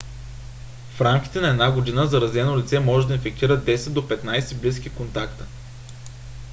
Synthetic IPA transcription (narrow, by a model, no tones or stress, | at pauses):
fɾamk̟ʲi̥t̪ɛnɐɛd̪naɡod̪inəzɐɾɐzɛnolit̪sɛmɔʒɛd̪ɐinfɛk̚t̪iɾəd̪ɛsɛd̪̚d̪opɛt̪najsɛblis̬kʲikont̪akt̪ə̥